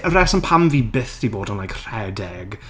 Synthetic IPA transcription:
əɾɛsənpʰamviːbɪθd̥iboːdənlajkʰr̥ɛdɛɡ

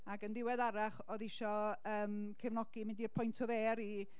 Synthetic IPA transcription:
aɡəndɪwɛðaɾaχɔðɪʃɔəːmkʰɛvnɔɡ̥imɪndiərpʰɔjntʰɔveːɾi

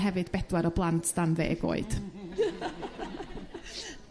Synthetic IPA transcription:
ɦɛvɨd̥bɛd̥waɾɔblˠantsd̥anvḛːɡo̰ːɨd̥

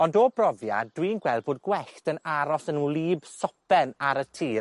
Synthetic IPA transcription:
ɔndɔbrɔvjad̥wiːnɡwɛlˠd̚boːd̚ɡwɛɬtənaɾɔsənulˠiːbsɔpɛnaɾətʰiː

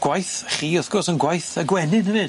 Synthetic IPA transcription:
ɡ̥wajθχiːɔθɡ̥ɔrsənɡwajθəɡwɛnɪnhəvɨ

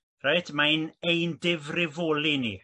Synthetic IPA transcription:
rajdmanejndɪvrɪvoːlinḭ

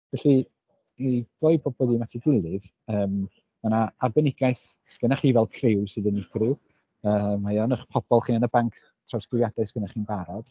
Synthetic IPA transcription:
vɛɬi | iɡ̥lojboːd̚bəðinatʰiɡwɪlˠɨð | əːm | manaarbɛnɪɡ̥aɨθ | sɡ̥ənaχiːvɛlˠkʰrɪwsɨðənɪɡru | əːmːajɔnəχpʰɔb̥ɔlˠχiːnanəbaŋkʰ | tʰrawsɡɪjadaɨsɡənaχiːnbaɾɔd̥

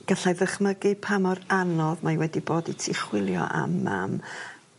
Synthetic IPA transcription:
ɡ̥aɬajðəχməɡɨpʰamɔranɔðmajwɛdiboːditʰɪχwɪlˠjɔ̰ʔa̰mːa̰m

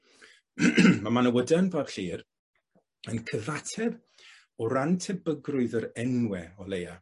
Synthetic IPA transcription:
mamanəwədanvab̥ɬiːr | ənkʰəvatʰɛb | ɔɾantʰɛbəɡrʊɨðəɾɛnwɛɔleja

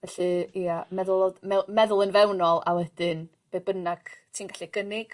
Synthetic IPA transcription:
vɛɬɨiamɛðʊlˠodmɛmɛðʊlˠənvɛwnɔlˠa̰wɛd̥ɨn | b̥ebənaɡ̥tʰiːnɡaɬiɡ̥ənɪɡ̥

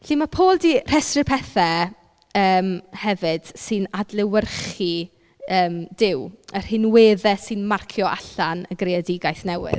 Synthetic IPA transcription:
ɬiːmapʰoːlˠdiːr̥ɛstrɨpʰɛθɛ | əːmhɛvɨd̥sɨnadlɪwərχi | əːmd̥ɪwər̥hɪnweːðɛsɨnmarkʰjɔʔa̰ɬanəɡreadɪɡajθnɛwɪ̰ð

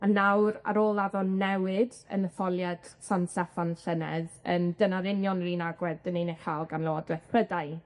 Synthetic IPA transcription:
anawɾa̰ɾoːlˠaðɔnɛwɪd | ə̰nəθɔlˠjad̥sansɛfanɬənɛðəndənaɾɪnjɔnriːnaɡwɛddənenejχaːlˠɡanlˠɛɔdwɛθpədaj

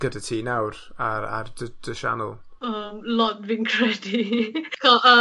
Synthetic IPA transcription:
ɡ̥ədatʰiːnawɾaɾa̰rdəd̥əʃa̰nəlˠ | əmlɔt̚vɪnkʰɹ̥ɛdikʰɔʔə

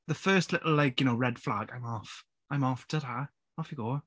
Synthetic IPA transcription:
ðəfɜːˑstˡlɪʔl̩ˠlaɪkjənoʊɹɛd̥fla̰ɡãɪ̃mɔˑf | ãɪ̃mɔfd̥ʌða | ɔfjəɡoː

